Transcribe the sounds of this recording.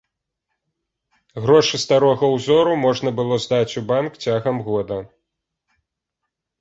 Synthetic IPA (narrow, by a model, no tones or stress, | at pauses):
ɣɾɔʂɨst̪aɾɔɣɐwzɔɾumɔʐnɐbɨlˠɔzd̪at͡sʲubankt͡sʲaɣɐmɣɔd̪ɐ